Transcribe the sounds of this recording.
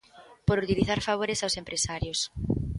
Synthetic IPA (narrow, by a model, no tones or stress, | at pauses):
poɾut̪iliθaɾfaβ̞oɾesawsempɾesaɾjos